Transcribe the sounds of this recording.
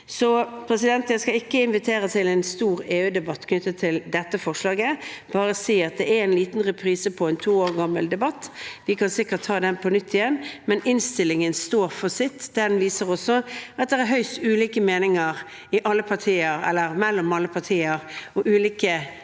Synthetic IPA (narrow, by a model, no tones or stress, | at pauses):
sɔpʰɾɛsɪd̪ɛnt̪jæskɑɪkːəɪnʋɪt̪ʰeːɾət̪ʰɪlɛnst̪uːɾeːʉːd̪ɛbɑt̪ːkʰnʏt̪ːət̪ʰɪld̪ɛt̪ːəfɔʁʂlɑːɡəb̥ɑːɾəsiːɑt̪̚d̪ɛæɛnliːt̪nʁɛpʰɾiːsəpʰɔɛnt̪ʰuːoːɾɡɑmːə̰ld̪ɛbɑt̪ːʋɪkʰɑnsɪkːəʈ̪ʰːɑːd̪ɛnpʰɔnʏt̪ːɪjɛnːmɛnɪnst̪ɪlːɪŋənst̪oːɾfɔsɪt̪ːd̪ɛd̪ɛnʋiːsəʁɔsɔʔɑt̪̚d̪ɛʁæɾɦœʏst̪ʉːliːkəmeːnɪŋəɾ | ɪʔɑlːəpʰɑʁtʰiːəɾɛ̰lːəɾmɛlːɔmɑlːəpʰɑʁtʰiːəɾɔʔʉːliːkə